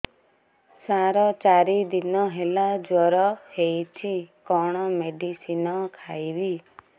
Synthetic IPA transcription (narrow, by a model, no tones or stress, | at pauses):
saɾɔt͡ʃaɾid̪inɔɦelad͡ʒɔɾɔhejt͡ʃʰikɔɽ̃ɔmeɖisinɔkʰajbi